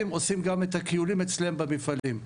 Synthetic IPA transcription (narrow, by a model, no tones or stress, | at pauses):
imo̞simɡamet̪akijulimet͡sleembamifalim